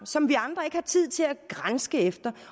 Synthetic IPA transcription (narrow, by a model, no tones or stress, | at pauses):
sɒ̽mʋiɑ̈nd̥ʁɐe̝ɡ̥əhɑ̈t͡sʰið̞̰ˠt͡sʰe̝læɡ̥ʁansɡ̥əefd̥ɐ